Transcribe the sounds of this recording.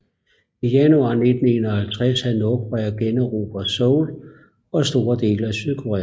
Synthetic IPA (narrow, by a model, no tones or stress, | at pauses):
ijænuɑ̰̈ne̝d̥n̩e̝nɒhælt͡sʰʁɛshænoɡ̥ʁɛɐɡ̥enɒʁṵːb̥ɐsɔʊl | ɒ̽sd̥o̝ːɐd̥e̝̰ːləæsyð̞ˠkʰoʁɛ̰ː